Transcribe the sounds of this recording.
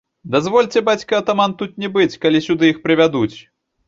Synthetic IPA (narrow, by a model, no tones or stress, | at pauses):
d̪azvɔlʲt͡sʲɛbat͡sʲkiɐt̪amant̪ut̪nʲɛbɨt͡sʲkalʲisʲud̪ɨixpɾɨvʲad̪ut͡sʲ